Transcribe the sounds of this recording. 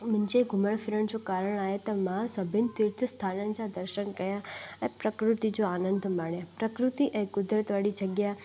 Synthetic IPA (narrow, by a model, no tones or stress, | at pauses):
mənd͡ʒeɡʱʊməɭfʰiɾəɳd͡ʒokaɾəɳaɦet̪ɔmaɦasəbʱɪnt̪ɪɾt̪ʰəst̪ʰanə̃nt͡ʃad̪əɾʃənkəjaə̃pɾəkɾut̪id͡ʒoaːnənd̪ʱmaɳjãpɾəkɾut̪iʔə̃kʊd̪ɾət̪ʋaɽid͡ʒəɡja